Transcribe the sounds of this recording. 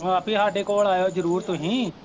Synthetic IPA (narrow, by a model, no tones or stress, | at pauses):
aːpiɦaːʈekoəɽaːjoːd͡ʒəɾuːɾt̪õːɦĩː